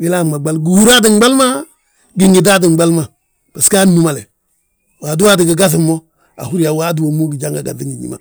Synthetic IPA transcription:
wi˦la˦˨ma˨ɡ͡ba˦lɡu˨hu˦ɾa˦di˨ŋ˦ɡ͡ba˦lma˦ | ɡi˦ŋɡi˨da˦di˨ŋ˦ɡ͡ba˦lma˨ | b̥a˨ska˦nːu˦ma˨le˨ | wa˨du˦wa˦di˨ɡi˨ɡa˦sɪ˨mːo˦ | a̰˨hu˦ɾi˦ja˨wa˦du˦wo˨mu˦ɡi˨d͡ʒa˦ŋɡa˨ɡa̰˨di˦ŋi˨ɲḭ˦ma̰˨

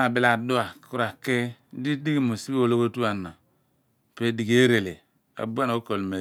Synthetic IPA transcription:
a˨bi˨la˨do˦a˨ku˦ɾa˨ke˦di˦di˦ɡi˦˨mo˨si˦bo˨lo˦ko˦tu˦a˨na˨ | pe˦di˨ɡe˦ɾe˨le˨ | a̰˨bu˦a˦no˦ko˨lme˨

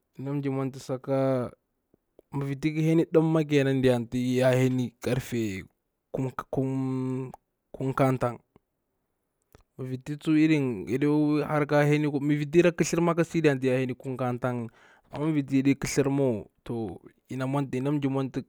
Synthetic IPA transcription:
i˨na˦md͡ʒi˨ma˦nti˨sa˨ka˦ | mi˨vi˨t̬i˦ki˦he˦ni˦ɗa˦mːa˦k̬e˨na˦ndi˨ja˨nti˦ja˦he˦ni˦ka˦ɾfe˨ | ku˦ku˦m | ku˦mka˦nta˦ŋ | mu˨vi˨ti˦t͡su˦i˦ɾi˦nḭ˨di˦ha˦ɾka˦he˦ni˦mi˨vi˨t̬i˦ɾa˦ki˦ɬi˦ɾma˦ka˦si˦di˨ja˨nt̬i˦ja˨he˦ni˦ku˦ŋka˦nta˦ŋ˨ | a̰˨ma˦vi˨t̬i˦i˨di˦ki˦ɬi˦ɾmo˦˨to˨ | i˨na˨ma˦nti˨i˨na˦md͡ʒi˨ma˦nti˦

